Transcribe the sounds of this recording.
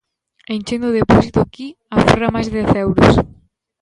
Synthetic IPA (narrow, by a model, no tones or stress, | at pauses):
enʲt͡ʃend̪ʊðepɔsit̪ʊaki | afo̰ramajzðɛθɛwɾʊ̰s